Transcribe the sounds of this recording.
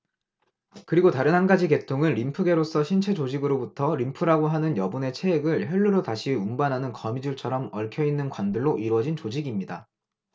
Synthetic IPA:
kɯɾiɡotaɾɯnɦhanɡad͡ʑike̞tʰoŋɯnɾimpʰɯɡe̞ɾos͈ʰʌɕʰint͡ɕʰe̞t͡ɕod͡ʑiɡɯɾobutʰʌɾimpʰɯɾaɡoɦanɯnjʌbune̞t͡ɕʰe̞ːɡɯɭçjʌɭːuɾotaɕʰiumbanɦanɯnkʌmid͡ʑuɭt͡ɕʰʌɾʌmʌɭkʰjʌinːɯnkwandɯɭːoʔiɾwʌd͡ʑint͡ɕod͡ʑiɡimɲida

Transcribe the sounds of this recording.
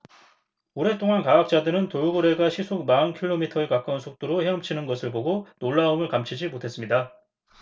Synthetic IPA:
oɾe̞t͈oŋankaak̚t͡ɕ͈adɯɾɯntojuɡɯɾe̞ɡaɕʰisʰoɡ̚mankʰiɭːomitʰʌekak͈ʌnsʰok̚t͈oɾoçjʌʌmt͡ɕʰinɯnɡʌsʰɯɭpoɡonoɭːaɯmɯɭkamt͡ɕʰid͡ʑimotʰe̞s͈ɯmɲida

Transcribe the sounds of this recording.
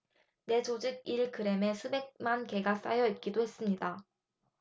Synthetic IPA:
ne̞d͡ʑod͡ʑiɡ̚iɭkɯɾe̞me̞sʰube̞k̚manke̞ɡas͈a̰jʌit̚k͈idohe̞s͈ɯmɲida

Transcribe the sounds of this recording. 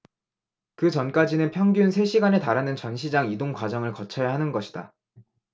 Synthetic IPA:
kɯt͡ɕʌnk͈ad͡ʑinɯnpʰjʌŋɡjunsʰe̞ɕʰiɡane̞taɾanɯnt͡ɕʌnɕʰid͡ʑaŋidoŋkwad͡ʑʌŋɯɭkʌt͡ɕʰʌjaɦanɯnɡʌɕʰi̥d̥a̰

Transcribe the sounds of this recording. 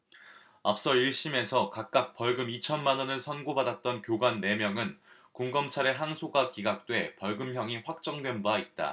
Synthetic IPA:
ap̚s͈ʌiɭɕ͈ime̞sʰʌkak̚k͈ak̚p͈ʌɭɡɯmit͡ɕʰʌnmanʌnɯɭsʰʌnɡobadat̚t͈ʌnkjoɡwanːe̞mjʌŋɯn | kuŋɡʌmt͡ɕʰaɾe̞ɦaŋsʰoɡakiɡak̚t͈we̞pʌɭɡɯmçjʌŋiɸwak̚t͡ɕ͈ʌŋdwe̞nbait̚t͈a̰

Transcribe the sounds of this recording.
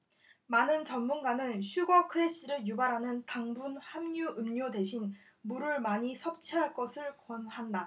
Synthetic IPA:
manɯnt͡ɕʌnmunɡanɯnɕʰuɡʌkʰɯɾeɕ͈iɾɯɭjubaɾɦanɯntaŋbunhamɲuɯmɲode̞ɕʰin | muɾɯɭmaɲisʰʌp̚t͡ɕʰiɦaɭk͈ʌsʰɯɭkʌnhanda

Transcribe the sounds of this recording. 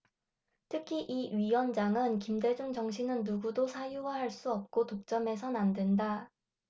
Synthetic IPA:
tʰɯkʰiʔiɥiwʌnd͡ʑaŋɯnkimde̞d͡ʑuŋd͡ʑʌŋɕ̬ʰinɯnːuɡudosʰajuwahaɭs͈uʌp̚k͈otok̚t͡ɕ͈ʌme̞sʰʌnandwenda

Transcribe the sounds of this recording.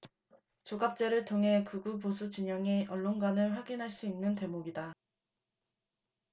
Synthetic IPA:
t͡ɕoɡap̚t͡ɕ͈e̞ɾɯɭtʰoŋɦe̞kɯɡuposʰut͡ɕiɲʌŋeʔʌɭːonɡwanɯɭɸwaɡinɦaɭs͈uinːɯnte̞moɡida

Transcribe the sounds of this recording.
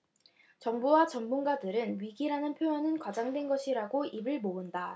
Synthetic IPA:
t͡ɕʌŋbuwat͡ɕʌmmunɡadɯɾɯnɥiɡiɾanɯnpʰjojʌnɯnkwad͡ʑaŋdwe̞nɡʌɕʰiɾaɡoibɯɭmoɯnda

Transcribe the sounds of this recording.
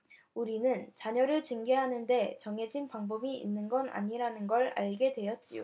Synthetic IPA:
uɾinɯnt͡ɕaɲʌɾɯɭt͡ɕɯŋɡeɦanɯnde̞t͡ɕʌŋɦe̞d͡ʑinpaŋbʌbiḭnːɯnɡʌna̰ɲiɾanɯnɡʌɭa̰ɭɡe̞dwe̞jʌt̚t͡ɕ͈io̰

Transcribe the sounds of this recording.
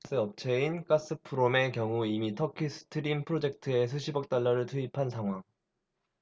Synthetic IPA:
s͈ɯʌp̚t͡ɕʰe̞ink͈as͈ɯpʰuɾome̞kjʌŋuimitʰʌkʰis͈ʰɯ̥tʰɯɾimpʰɯɾod͡ʑe̞k̚tʰɯe̞s̬ʰuɕʰibʌk̚t͈aɭːʌɾɯɭtʰɯipʰansaŋɦwaŋ

